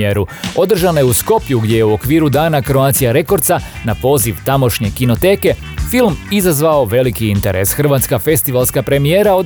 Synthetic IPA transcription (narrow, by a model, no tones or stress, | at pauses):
eɾuo̞d̪r̩ʒanojeusko̞pjuɡd̪ʲje̞je̞uo̞kʋiːɾud̪aːnakɾo̞aːt̪sijaɾe̞ko̞ɾt̪sanapo̞ːziʋt̪amo̞ʃɲe̞kino̞t̪e̞ːke̞ | filˠmizazʋaoʋe̞likiint̪eɾe̞̰sxr̩ʋaːt̪skafe̞st̪iʋalˠskapɾe̞mijeːɾaod̪